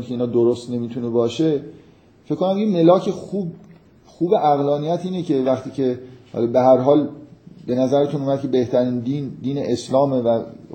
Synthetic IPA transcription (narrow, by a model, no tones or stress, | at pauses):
nkʰeinɒːd̪oɾost̪ne̞miːt̪ʰune̞bɒːʃe̞ | feckːonæmd̪imelɒːcʰe̞xuːb | xuːbeʔæɣlɒːnijæt̪ʰiːnecʰe̞væχt̪iːcʰe̞hɒ̰ːlɒːbeɦæɾɦɒːlbe̞næzæɾet̪ʰunuːmæd̪̚cʰe̞be̞ht̪ʰæɾiːnd̪iːnd̪iːneʔeslɒːme̞væ